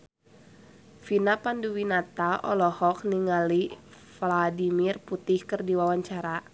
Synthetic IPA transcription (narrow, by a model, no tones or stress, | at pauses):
finapanduwinat̪aʔɔ̰lɔhɔk̚niŋali | fladimirput̪ihkərdiwawaɲt͡ʃaɾa